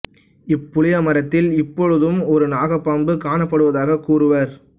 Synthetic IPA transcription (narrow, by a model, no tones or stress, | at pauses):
ɪpːʊɭɪjɐmɐɾɐt̪ːɪlɪpːɔɻɯðɯmɔɾɯnaːɣɐpːaːmbɯkaːɳɐpːɐɽɯʋɐðaːɣɐkːuːrɯʋɐɾ